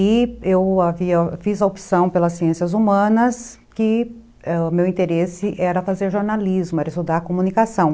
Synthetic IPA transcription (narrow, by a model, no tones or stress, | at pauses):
iewaviɐfizɐopi̥sɐ̃w̃pelɐsːiẽsiɐzumɐ̃nɐs | kɪ | ɛmewĩnt̪eɾesɪʔɛɾɐfazeɾʒoɾnalizmʊɛɾɐɪst̪ud̪aɾkomũnikasɐ̃w̃